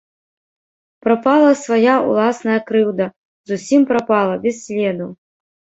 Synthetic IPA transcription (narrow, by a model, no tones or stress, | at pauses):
pɾapalˠɐsvajaṵlˠasnɐjɐkɾɨwd̪ɐ | zusʲimpɾapalˠɐbʲɛssʲlʲɛd̪u